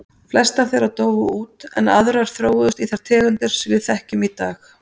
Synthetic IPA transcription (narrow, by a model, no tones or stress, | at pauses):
flɛst̪ḁθejɾaðt̪oːwvʏuːt̪ɛ̰naðɾaɾ̥θɾoːwðʏst̪iθaɾ̥t̪ʰɛːɣʏnt̪ɪɾ̥svɪðθɛhcʏmit̪aːx